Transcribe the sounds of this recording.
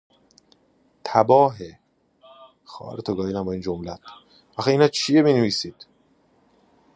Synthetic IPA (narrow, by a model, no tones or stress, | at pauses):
t̪ʰæbɒːɦe | xɒ̰ːhæ̰ɾet̪ʰoɡɒːjinæmbɒːiːnd͡ʒomlæt̪ʰ | æxiiːnɒːt͡ʃʰijemineviːsiːd̪̥